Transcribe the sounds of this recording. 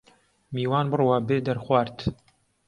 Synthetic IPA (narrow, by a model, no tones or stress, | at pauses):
miːwaːnbɨrwaːbeːd̪ɐɾxwaːɾt̪